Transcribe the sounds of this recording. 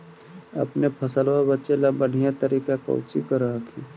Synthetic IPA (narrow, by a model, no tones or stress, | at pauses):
ɐ̰pnepʰəsəlwabətːt͡ʃelabəɽ̤ijat̪əɾiːkakə̰ʊt͡ʃḭkəɾaɦakʰi